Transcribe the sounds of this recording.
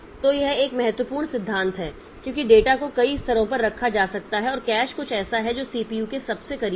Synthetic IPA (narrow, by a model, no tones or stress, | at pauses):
t̪ojeɦeːkmɛɦɛt̪wəpuːɾɳ̃sɪd̪ʱːãːnt̪ɦɛː | kjõːkiɖeːʈakokɐiɪst̪ʰɐɾõpɐɾːɐkʰːad͡ʒaːsɐk̚t̪aɦɛɔːɾkɛːʃkʊt͡ʃʰɛːsaɦɛd͡ʒoːsiːpiːjukesɐbsekɐɾiː